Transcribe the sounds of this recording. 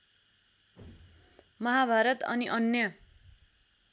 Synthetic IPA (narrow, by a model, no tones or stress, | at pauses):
mʌɦabʱaɾʌt̪ʌ̰niʔʌnjʌ